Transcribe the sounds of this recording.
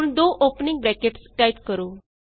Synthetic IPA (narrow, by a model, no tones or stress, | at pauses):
nd̪oːʔoːpnɪ̃ŋɡ̚bɾɛːkeʈsʈaːɪpkəɾoː